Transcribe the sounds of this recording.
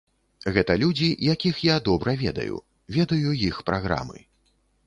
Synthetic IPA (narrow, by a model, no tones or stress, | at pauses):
ɣɛt̪ɐlʲud͡zʲijakʲixjad̪ɔbɾɐvʲɛd̪ɐ̰jṵ | vʲɛd̪ɐjujixpɾaɣɾa̰mɨ̰